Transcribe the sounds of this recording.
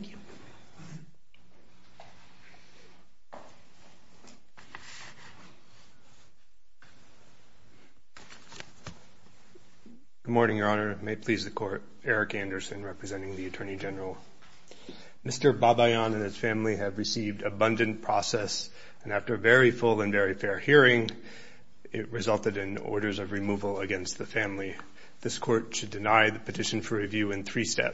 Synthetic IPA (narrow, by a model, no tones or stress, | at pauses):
ɡ̥ʊd̚mɔɹnɪ̃ŋjə˞ɑnə˞meɪpʰl̥izðɨkʰɔɹɾ | ɛɹɨkæ̃ndə˞sɨ̃nɹɛpɹɨzɛ̃ɾ̃ɪ̃ŋðiɨtʰɜ̃˞nid͡ʒɛnə˞l̩ˠ | mɪstə˞bɑbaɪɑ̃nɨ̃nɨz̥fæ̃mliɨvɹɨsivdɨbʌ̃ndɨ̃npʰɹ̥ɔ̰sɛs | ɨ̃næftə˞vɛɹifʊlˠə̃nvɛɹifɛɹhiɹɪ̃ŋ | ɪt̚ɹɨzʌlˠtɨɾɨ̃nɔ̰ɹɾə˞zʌvɹimuvəl̩ˠəɡɛ̃nst̪̚ðɨfæ̃mli | ðɪskʰɔɹtʃɨdɨnaɪðɨpʰɨtʰɪʃn̩fə˞ɹivjʉɨ̃nθɹistɛ̰p